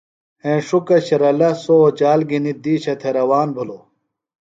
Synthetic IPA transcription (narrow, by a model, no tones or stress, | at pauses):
ẽːʂukɐɕɐɾɐlɐsoot͡ɕaːlɡinid̪iːɕɐt̪ʰeɾɐwaːnbʱulo